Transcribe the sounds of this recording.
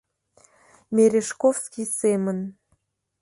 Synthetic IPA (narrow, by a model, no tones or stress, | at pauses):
mʲeɾʲeʃkofskʲisemən